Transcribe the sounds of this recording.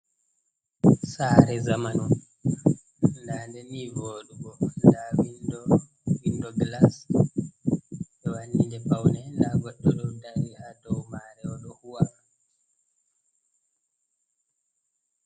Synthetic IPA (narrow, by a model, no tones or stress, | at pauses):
saːɾɛzamanɔm | ndandɛnivoːɗuɡɔndawindɔ | windɔɡlas | ɓɛwandind͡ʒɛpawnɛlaɡɔtːɔɗɔndanihadɔwmaɾɛɔɗɔhuwama